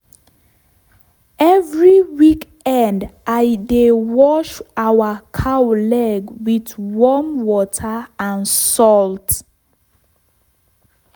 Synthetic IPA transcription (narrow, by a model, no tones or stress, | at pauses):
ɛvɹiwik | ɛ̃ndʔaɪdewɔʃawəkʰawlɛɡwidwɔmwɔtʰəãnsɔlt